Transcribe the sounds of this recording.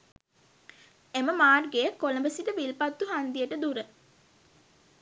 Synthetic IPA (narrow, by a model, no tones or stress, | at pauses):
eməmaːrɡejəkːoləmbəsit̪əʋilpat̪ːuɦand̪ijəʈəd̪uɾə